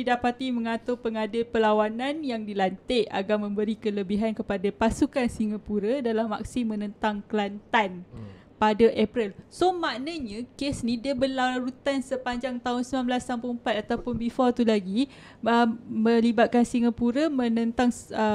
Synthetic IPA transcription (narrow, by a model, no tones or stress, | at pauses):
didapat̪iməŋat̪ʊpəŋadɪlpəlawananjaŋdilant̪eʔa̰ɡarmə̃mbəɾikələbiɦankəpadapasukansiŋapuɾədalamːa̰k̚simːə̃nə̃nt̪aŋkəlant̪an | padaʔɛpɾilsomaʔnaɲãkesnĩdiəbəlaaɾut̪ansəpaɲd͡ʒaŋt̪aɦʊnsəmãnmblasampuəmpat̪̚at̪awpʊnbifɔt̪ulaɡi | əmə̃libat̪̚kansiŋapuɾamə̃nə̃nt̪aŋə